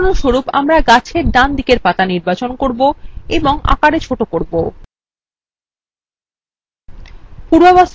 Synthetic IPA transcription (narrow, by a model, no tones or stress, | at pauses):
noʃoɾupa̰mɾaɡat͡ɕʰeɾɖand̪ʱikeɾpat̪aniɾbat͡ɕonkoɾboeboŋa̰kaɽet͡ɕʰoʈokoɾbo | puɾbabɔs